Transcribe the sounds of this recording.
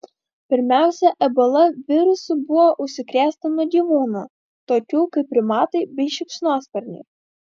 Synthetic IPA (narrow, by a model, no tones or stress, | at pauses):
pʲɪɾʲmʲæˑʊsʲɛʔɛbolˠɐʋʲɪɾʊsʊbʊʋoʔʊʃʲsʲɪkɾʲæːst̪ɐmɐd̪ʲiːʋuːnʊ | t̪oːkʲuːkɐɪpʲːɾʲɪmɑːt̪ɐɪbʲɛɪʃʲɪksnoːspʲɐɾʲnʲḭː